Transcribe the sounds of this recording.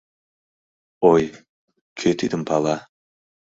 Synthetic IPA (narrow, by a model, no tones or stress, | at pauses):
oj | kʲʰøt̪id̪ɪmpʰɑlˠɑ